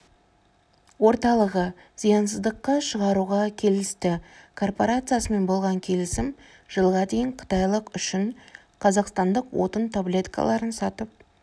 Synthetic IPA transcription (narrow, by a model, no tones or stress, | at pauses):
wo̞ɾt̪ɑlˠəʁə | z̥ijɑnsəzd̪əqːɑʃəʁɑɾuʁɑkʲʰe̞lɪst̪ɪkʰo̞rpoɾat̪sɨjasəme̞nbo̞lˠʁɑŋkʲʰe̞lɪsɪm | ʒ̥əlˠʁɑd̪e̞jɪɴqʰə̥t̪ɑjlˠəqʏʃɪɴ | qʰɑzɑqst̪ɑnd̪əqwo̞̰t̪ənt̪ʰoblʲe̞t̪kʰa̰lˠɑɾənsɑt̪əp̚